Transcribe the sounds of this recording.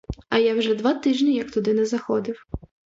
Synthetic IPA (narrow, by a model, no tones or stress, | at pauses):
ɐjawʒɛd̪ʋat̪ɪʒnʲijɐk̚t̪ʊd̪ɪnɛzɐxɔd̪ɪw